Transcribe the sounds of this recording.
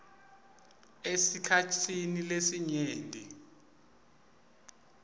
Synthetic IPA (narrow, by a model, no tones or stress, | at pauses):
esikʰatʰinilesiɲeːndʱi